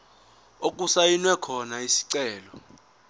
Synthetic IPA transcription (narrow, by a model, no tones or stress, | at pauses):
okʼusajinwɛkʰɔnaisi̥ǀɛːlɔ